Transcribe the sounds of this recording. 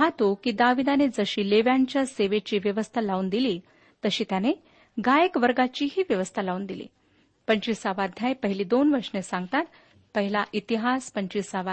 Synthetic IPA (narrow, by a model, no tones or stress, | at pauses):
ɦat̪okiːd̪aʋid̪aned͡zəɕiːleʋjaɲt͡ɕjaseʋet͡ɕiːʋjəʋəst̪ʰalaund̪iliː | t̪əɕiːt̪jane | ɡajəkʋəɾɡat͡ɕiːɦiːʋjəʋəst̪ʰalaund̪ilḭː | pəɲt͡ɕisaʋad̪ʱjajpəɦiliːd̪onʋəɾʂnesãŋɡ̚t̪at̪ | pəɦilaʔit̪iɦaspəɲt͡ɕisaʋa